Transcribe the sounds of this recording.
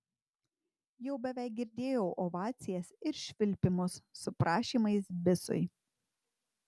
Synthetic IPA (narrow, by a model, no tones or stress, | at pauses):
jɛʊbʲɛʋʲæˑɪk̚ɡʲɪɾʲd̪ʲeːjɛʊʔɔʋɑːt̪sʲɪjɛsɪɾʃʲʋʲɪlʲpʲɪmʊsːʊpɾɑːʃʲiːmɐɪsbʲɪsʊ̰ɪ